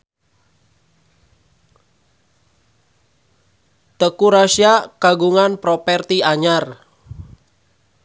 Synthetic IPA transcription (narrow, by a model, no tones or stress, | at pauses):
t̪əkuɾasiakaɡuŋanpɾɔpɛrt̪iaɲar